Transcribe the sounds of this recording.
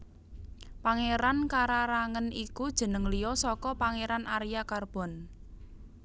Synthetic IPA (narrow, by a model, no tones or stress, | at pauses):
paŋeɾankaɾaɾaŋənikud̥ʒ̥ə̤nəŋlijɔsɔkɔpaŋeɾanʔaɾijakarb̥ɔ̤n